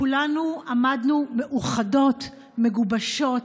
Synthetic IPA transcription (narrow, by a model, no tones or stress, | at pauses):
kulanuamadnume̞ʔuχado̞t | me̞ɡubaʃo̞t